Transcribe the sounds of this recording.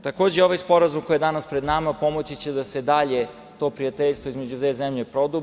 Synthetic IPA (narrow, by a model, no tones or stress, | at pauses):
t̪ako̞ːd͡ʑejo̞ʋajspo̞ɾazumkojed̪anaspɾed̪namapo̞mot͡ɕit͡ɕed̪ased̪aʎe | t̪o̞pɾijat̪eʎʲst̪ʋoizme̞d͡ʑut̪ezemʎʲepɾo̞d̪ub